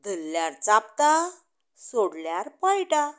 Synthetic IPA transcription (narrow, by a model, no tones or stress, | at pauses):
d̪ʱəlːjaɾt͡sap̚t̪a | soɽljaɾpajʈa